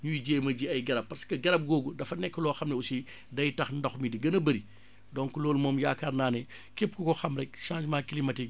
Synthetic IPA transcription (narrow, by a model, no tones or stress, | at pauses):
ɲujiɟeːmɐɟiɐjɡɐɾɐp̚ːɐskɐɡɐɾɐp̚ɡɔːɡudɐfɐnɛkːəlɔːxɐmnɛusi | dɐjtɐxndɐxmidiɡɐnɐbɐɾi | dɔnkulɔːlmɔːmjaːkarnaːnɛ | kepːkukɔxɐmɾɛk̚ʃãːd͡ʒmaːkilimɐti